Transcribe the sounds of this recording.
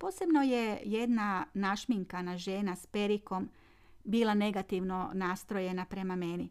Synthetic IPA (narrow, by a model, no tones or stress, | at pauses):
po̞ːse̞bno̞je̞je̞d̪nanaʃmiŋkanaʒe̞ːnaspe̞ɾiko̞m | biːlˠane̞ɡat̪iʋno̞naːst̪ɾo̞je̞napɾe̞mame̞ni